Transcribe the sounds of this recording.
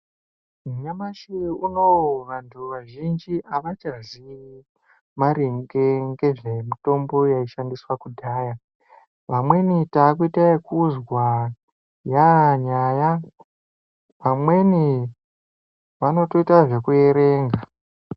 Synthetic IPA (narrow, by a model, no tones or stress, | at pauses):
muɲamaʃiunowʋantʰuʋaʒind͡ʒiʔaʋat͡ʃazi | maɾiŋɡeŋɡe̞ʐemito̞mbo̞jaiʃandiswakudʱaːja | ʋamwe̞nitakuitaekuzwa | jaɲaːja | ʋamwe̞ni | ʋano̞to̞itaʐe̞kue̞ɾe̞ːŋɡa